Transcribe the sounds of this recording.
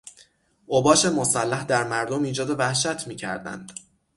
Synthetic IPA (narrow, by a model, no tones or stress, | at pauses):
ʔobɒːʃe̞mo̞sælːæhd̪æɾmæɾd̪omiːd͡ʒɒːd̪e̞væhʃæt̪ʰmiːcʰæ̰ɾd̪æ̰nd̪̥